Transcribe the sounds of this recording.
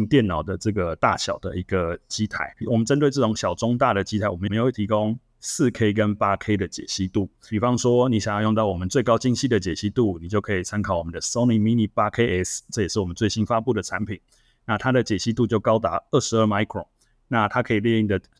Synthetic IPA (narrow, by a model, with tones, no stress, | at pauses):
ŋt̪jɛ˥˩nɑ˨˩ʊd̪ə˦ʈ͡ʂɤ˥˩ɡə˩t̪a̰˥˩ɕjɑ̰˨˩ʊd̪ə˦i˧˥ɡ̥ə˨t͡ɕi˦t̪ʰa̰˨˦ɪwɔ˨˩mə˦nt͡sə˥nt̪we˥˧ɪʈ͡ʂɤ˥˩ʈ͡ʂʊ˨˩˦ŋɕjɑ˨˩ʊʈ͡ʂʊ˦ŋt̪a˥˩ɾə˩t͡ɕi˥t̪ʰa˨˥ɪwmə˦˧m˧jwe˥˩t̪ʰi˧˥ko˦ŋ | sɹ̩˥˨kʰe˥ɪkə˦npa˥kʰe˧˥ɪd̪ə˨t͡ɕjɛ̰˨˩ɕi˦t̪u˥˩pi˨˩fɑ˦˥ŋʂwɔ˦˥ni˨˥ɕjjɑ˥˧jo˥˧ŋt̪ɑ˥˩ʊwɔ˨˩mə˦nt͡swe˥˩ɪkɑ˥ʊt͡ɕi˥ŋɕi˥˩d̪ə˨t͡ɕjɛ˨˩ɕi˥t̪u˥˩ni˨˩t͡ɕjo˥˩ʊkʰə˧˥i˨˩t͡sʰa˥nkʰɑ˨˩ʊwɔ˨˩mə˦nd̪ə˨so˥ʊni˨˩mi˧ni˥˧pa˦kʰe˥ɪʔɛ˥sʈ͡ʂɤ˥˩˨jɛ˨˩ʂɻ̩˥˩wɔ˨˩ə˦nt͡swe˥˩ɪɕi˥nfa˦pu˥˩d̪ə˩t͡sʰa˧˦npʰi˨˩˦n | na˥˩t̪ʰa˥d̪ə˨t͡ɕjɛ˨˩ɕi˥t̪u˥˧t͡ɕjo˥˩ʊkɑ˥ʊt̪a˧˥ə˥˩ʂɻ̩˧˥ə˥˩ma˥ɪkʰɹɔ˨˩ | na˥˩t̪ʰa˥kʰɤ˧˥i˨˩ljɛ˥˧i˥˩ŋd̪ə˩